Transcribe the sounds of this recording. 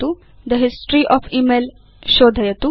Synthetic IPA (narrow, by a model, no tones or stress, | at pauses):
u | d̪əɦisʈɾiʔɔːfiːmel | ʃoːd̪ʱɐjɐt̪u